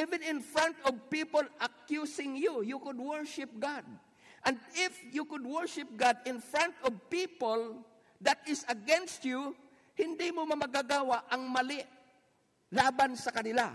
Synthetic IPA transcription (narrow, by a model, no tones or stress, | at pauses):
ʔivɪ̃nɪ̃nfɹant̪ɔvpipolɐkjusɪŋjʊjukʊd̪̚wɛɹʃɪp̚ɡad̪̚ | ʔɐnd̪ɪfjukʊd̪wɛɹʃɪp̚ɡad̪ɪ̃nfɹãnt̪ɔvpiːpol | d̪ɐt̪ɪsɐɡɛnst̪ju | hɪnd̪imomɐmɐɡaɡawaʔɐŋmɐlɪʔ | laːbansɐkɐnɪla̰